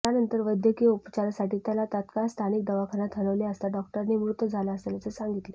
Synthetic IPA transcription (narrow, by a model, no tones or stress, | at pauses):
t̪janənt̪əɾʋəd̪jəkiːupət͡ɕaɾasaʈiːt̪jalat̪at̪kast̪ʰanik̚d̪əʋakʰənat̪ɦələʋleəst̪aɖɔk̚ʈəɾniʋɾut̪ːəd͡zʱalaəselat͡səsaŋɡit̪le